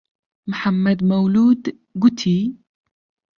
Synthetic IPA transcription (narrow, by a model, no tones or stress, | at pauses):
mħamːad̪mawluːd̪ | ɡʊt̪ʰi